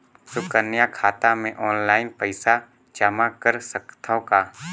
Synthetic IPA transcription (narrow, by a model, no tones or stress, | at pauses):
sʊkənjakʰaːt̪amẽʔɔːnlaːɪnpəɪsa | d͡ʒamakəɾsəkt̪ʰakaː